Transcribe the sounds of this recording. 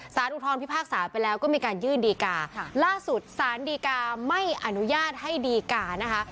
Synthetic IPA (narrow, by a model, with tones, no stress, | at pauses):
saː˨˩˦nʔu˨˩t̪ʰɔː˧npʰi˦˥pʰaː˥˩k̚saː˩˦pa˧jlɛː˦˥wkɔː˥˩miː˧kaː˧njɯː˥˩ndiː˧kaː˧laː˥˩su˨˩t̪̚saː˩˦ndiː˧kaː˧ma˥˩jʔa˧nu˦˥jaː˥˩t̪̚ha˥˩jdiː˧kaː˧na˦˥kʰa˦˥ʔ